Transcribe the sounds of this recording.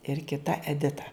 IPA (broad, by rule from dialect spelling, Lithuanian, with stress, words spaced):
ɪr kʲɪˈtɐ ɛˈdʲɪtɐ